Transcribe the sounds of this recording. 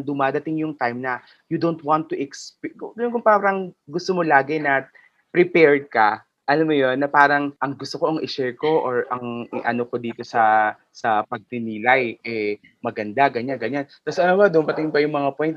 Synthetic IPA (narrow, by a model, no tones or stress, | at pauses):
ŋd̪ʊmaːd̪ɐt̪ɪŋjʊŋt̪ajmnɐ | jʊd̪ownt̪̚want̪ːʊʔɛkspɡɐnonkʊŋpaːɾɐŋɡʊst̪omolaːɡɛnɐ | pɾɪpɛɹd̪̚kɐ | ʔɐlamojo̞nːɐpaːɾɐŋʔɐŋɡʊst̪oko̞ʔɐŋʔɪʃɛɹko̞ʔoɹʔɐŋɪʔɐno̞kod̪iːt̪o̞sɐ | sɐpɐɡ̚nɪnilajʔɛ | mɐɡɐnd̪aɡɐɲanɡɐɲant̪ɐsɐnomɐd̪ʊmmɐt̪ɪŋbɐjʊŋmɐŋapojnt̪̚